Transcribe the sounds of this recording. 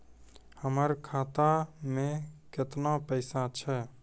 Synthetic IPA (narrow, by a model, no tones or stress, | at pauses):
həməɾkʰaːt̪amẽkɪt̪napəɪsat͡ʃʰɛː